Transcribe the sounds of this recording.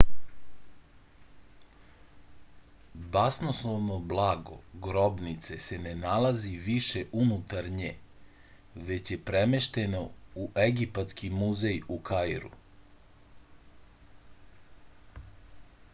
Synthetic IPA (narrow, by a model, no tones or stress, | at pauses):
basnoslˠoʋnoblˠaːɡo̞̰ɡɾobnit̪se̞se̞ne̞nalaziʋiʃe̞ʔunut̪aɾɲe | ʋe̞t͡ɕje̞pɾemeʃt̪e̞nouʔeɡipat̪skimuzejukʰajɾṵ